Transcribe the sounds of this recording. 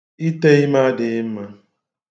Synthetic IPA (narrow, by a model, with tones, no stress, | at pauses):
i˦te˦i˦ma˦dɪ˨˦m̩˦ma˦